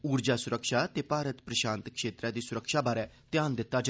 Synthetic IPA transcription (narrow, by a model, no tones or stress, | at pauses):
uːɾd͡ʒaːsʊɾəkʃaːt̪eːpaːɾət̪pɾəʃãːnt̪kʃeːt̪ɾɛ̃ːd̪iːsʊɾəkʃaːbaːɾɛːt̪jaːnd̪ɪt̪ːaːd͡ʒ